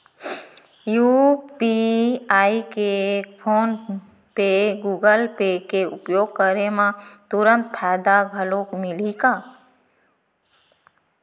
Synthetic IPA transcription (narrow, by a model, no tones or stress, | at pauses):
juːpiaːikepʰoːn | peɡuːɡəlpekeʊpjoːɡ̚kəɾemãt̪ʊɾə̃nt̪̚pʰaːd̪aɡʱəlõkmɪlikaː